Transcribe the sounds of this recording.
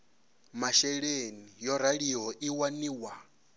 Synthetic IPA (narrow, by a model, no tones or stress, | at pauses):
maʃɛɺenijɔɾaɺiɦɔʔiwaniːwa